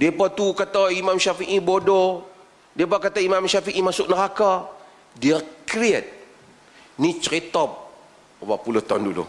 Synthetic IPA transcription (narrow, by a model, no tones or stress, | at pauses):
diepat̪ukat̪aimamʃafiʔibodo | diep̬akat̪aimamʃafiʔimasʊʔnəɾaka | diəkɾiɛt̪̚ | nit͡ʃəɾit̪ɔp̚ | obapulʊht̪ɔndulṵ